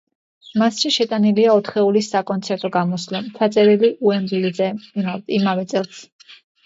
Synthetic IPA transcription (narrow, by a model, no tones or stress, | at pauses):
masʃiʃɛt̪ʼaniliaɔt̪ʰχɛulisːakʼɔnt̪sʰɛɾt̪ʼɔɡamɔslɔmt͡ʃʰat̪sʼɛɾiliʔuɛmɾilizɛaimavɛt̪sʼɛlˠs